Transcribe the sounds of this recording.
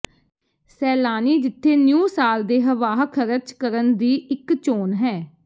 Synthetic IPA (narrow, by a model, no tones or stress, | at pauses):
sɛːlaːniːd͡ʒɪt̪ʰːeːnjũːsaːld̪eːɦəʋaːɦkʰəɾət͡ʃkəɾənd̪iːɪkt͡ʃoːnɦɛː